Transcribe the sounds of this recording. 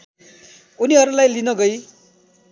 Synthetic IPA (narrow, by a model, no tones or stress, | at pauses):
uniɦʌɾulajlinʌɡʌj